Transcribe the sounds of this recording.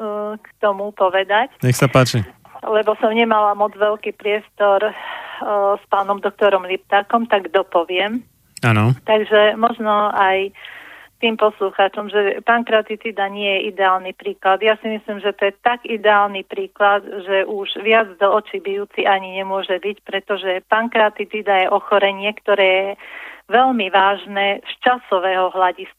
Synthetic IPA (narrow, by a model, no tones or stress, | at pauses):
kt̪ɔmupɔʋɛd̪acɲɛxsapaːt͡ʃi | lɛbɔsɔmɲɛmalamɔd͡zʋɛlkiːpɾɪɛst̪ɔɾ | spaːnɔmd̪ɔk̚t̪ɔɾɔmlipt̪aːkɔmt̪aɡd̪ɔpɔʋɪɛm | anɔt̪aɡʒɛmɔʒnɔaj | t̪iːmpɔsluxaːt͡ʃɔmʒɛpaːnkɾat̪it̪id̪aɲɪɛjɛʔid̪ɛaːlnipɾiːklad̪jasimislimʒɛt̪ɔjɛt̪aɡid̪ɛaːlnipɾiːklad̪ʒɛʔuʒʋɪad͡zd̪ɔɔt͡ʃibijuːt͡siʔaɲiɲɛmʊɔʒɛbicpɾɛt̪ɔʒɛpaːnkɾat̪it̪id̪ajɛʔɔxɔɾɛɲɪɛkt̪ɔɾɛːjɛʋɛʎmiʋaːʒnɛːst͡ʃasɔʋɛːɦɔɦlaɟisk